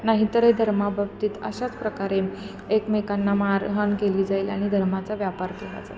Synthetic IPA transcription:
naɦit̪əɾed̪ʱəɾmabʱəbt̪iːt̪ə̰ɕat͡spɾəkaɾen | ekmekanːamaɾɦənkeliːd͡zaiːla̰ɽ̃id̪ʱəɾmat͡saʋjapaɾkeʋa̰d͡za̰

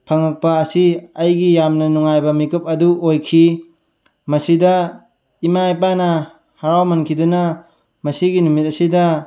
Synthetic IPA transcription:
pʰɐŋɐk̚pɐːsiɐjɡijamnɐnuŋajbɐmikɯp̚ɐduʔojkʰi | mɐsidɐ | imajp̬anɐ | haɾawmɐnkʰidunɐ | mɐsiɡinumit̚ɐsidɐ

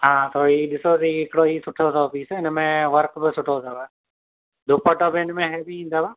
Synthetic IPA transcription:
ɦãːt̪oːiɗɪsosiɪkɽoːiːsʊʈʰozɔpiːsɪnəmẽʋəɾkbɪsʊʈʰozaba | d̪ʊpɔʈɔbɪnmẽɦɛbiĩːnd̪aba

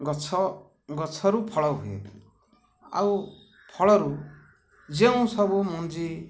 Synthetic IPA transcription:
ɡɔt͡ʃʰɔ | ɡɔt͡ʃʰɔɾupʰɔɭɔwɦuḛ | a̰w | pʰɔɭɔɾu | d͡ʒeũsɔbumɔnd͡ʒi

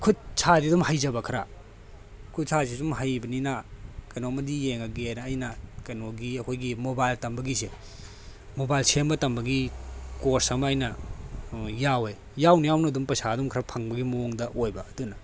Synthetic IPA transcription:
kʰut̚sʰadidumhajzɐbɐkʰɐɾa | kʰut̚sʰasisumɦajbɐninakɐnomɐdijeŋɐɡenɐːjnɐkɐnoɡiɐkʰojɡimobajltɐmbɐɡise | mobajlsembɐtɐmbɐɡikoɾsɐmajnɐ | jawe | jawnijawnɐɐdumpɐsadumkʰɾapʰaŋbɐɡimoŋdɐʔojbɐːdunɐ

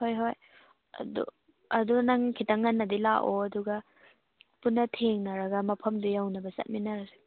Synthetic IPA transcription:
hojɦoj̰ | dṵ | ɐdunaŋkʰitaŋːɐnːɐdilaʔoɐduɡɐ | punːɐtʰeŋnɐɾɐɡɐmɐpʰɐmdujawnɐbɐsɐ̰t̚minɐɾɐse̥

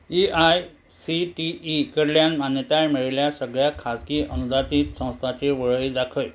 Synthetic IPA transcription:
iʔaj | siʈiʔikəɾljanmanjət̪ajmiɭljasəɡɭjakʰaskiːʔənud̪ʱat̪iːt̪sə̃w̃st̪ʰat͡ɕeʋəɭɭid̪akʰəj

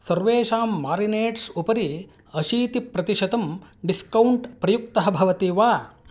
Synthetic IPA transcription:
sɐɾʋeːʃaːmːaːɾineːʈsupɐɾi | ɐʃiːt̪ipɾɐt̪iʃɐd̪ɐmɖiskɐwɳʈpɾɐjuk̚t̪ɐɦɐbʱɐʋɐt̪iʋaː

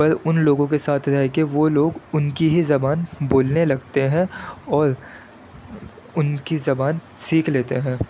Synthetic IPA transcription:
pɐɾʊnloːɡõk̬esaːt̪ʰɾɐɦekeʋoːloːɡʊnkiɦizɐbaːnboːlnelɐɡt̪eɦɛ̃ɔːɾ | ʊnkizɐbaːn | siːkʰleːt̪eɦɛ̃ː

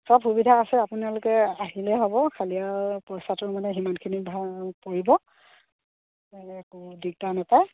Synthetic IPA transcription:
sɔbxubidʱaːsɛapunalʊkɛaɦilɛɦɔbɔkʰaliapɔjsatʊɹmanɛɦimankʰinibʱapoɹibɔ | ɛkudiɡ̚tanapaj

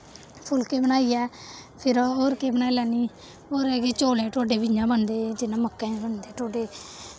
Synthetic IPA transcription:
pʰʊlkeːbənaːiːɛːpʰɪɾoːɾkeːbənaːilaːniː | oːɾeːket͡ʃoːlẽːʈoːɖeːbɪɲd͡ʒãːbənd̪eːd͡ʒɪnãːməkːẽːbənd̪eːʈoːɖeː

